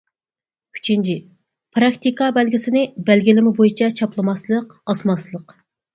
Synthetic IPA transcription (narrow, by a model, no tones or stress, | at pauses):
kʲʰy̥t͡ʃʰint͡ʃʰi | pʰɾɑkt̪ikɑbɛlɡʲɪsɪnɪbælɡʲilɪmɪbojit͡ʃʰɛt͡ʃʰɑplˠɨmɑslˠəqɑsmɑslˠəq